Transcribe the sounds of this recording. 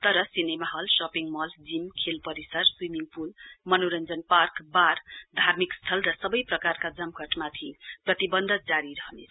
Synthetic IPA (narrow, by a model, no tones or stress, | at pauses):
t̪ʌɾʌsinemaɦʌlsʌpiŋmʌld͡zimkʰelpʌɾisʌrswimiŋɡpulmʌnoɾʌnd͡zʌnparkbard̪ʱarmikst̪ʰʌlrʌsʌbʌjprʌkarkad͡zʌmkʌʈmat̪ʰiprʌt̪ibʌnd̪ʱʌd͡zaɾiɾʌɦnet͡sʰ